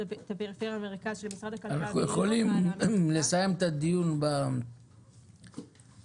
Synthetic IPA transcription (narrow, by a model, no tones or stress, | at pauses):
t̪apeʁifeʁjaːmeʁikaiʃelmisʁad̪akanaχnujeχo̞limle̞saje̞met̪ad̪ijunba